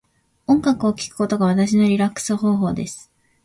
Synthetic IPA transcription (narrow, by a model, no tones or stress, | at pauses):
õ̞ŋɡakɯ̟o̞kʲi̥kɯ̟̥ko̞t̪o̞ɡaβ̞at̪aɕino̞ɾʲiɾakːɯ̥sɨɦo̞ːɦo̞ːd̪e̞sɨ̥